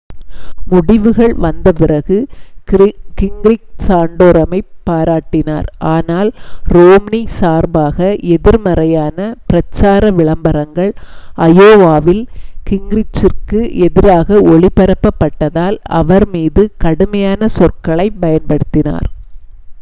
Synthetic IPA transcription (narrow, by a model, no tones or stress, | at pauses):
mʊɽɪʋɯɣɐɭʋɐnd̪ɐpɪrɐɣɯ | kɪŋɡɾɪk̚saːɳɖoːɾɐmɐɪpːaːɾaːʈːɪna̰ːɾʔaːnaːlɾoːmnisaːɾbaːɣɐʔɛðɪɾmɐɾɐjaːnɐpɪɾɐt͡ʃːaːɾɐʋɪɭɐmbɐɾɐŋɡɐɭʔɐjoːʋaːʋɪlkɪŋɡɾɪt͡ʃːɪrkɯʔɛðɪɾaːɣɐɔɭɪpːɐɾɐpːɐpːɐʈːɐðaːlɐ̰ʋɐɾmiːðɯkɐɽɯmɐjaːnɐsɔrkɐɭɐɪpɐjɐnpɐɽɯt̪ːɪna̰ːɾ